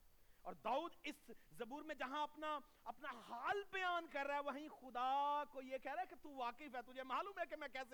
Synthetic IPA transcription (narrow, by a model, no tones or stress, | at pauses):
ɔːɾd̪aːuːd̪ɪszɐbuːɾmẽd͡ʒɐɦãɐpna | ɐpnahaːlbɐjaːnkɐɾːaːɦɛʋɐɦĩxʊd̪akojekɛɦɾaɛket̪uʋaːkɪfɦɛːt̪ʊd͡ʒʱemaːluːmɦɛkemɛ̃kɛːse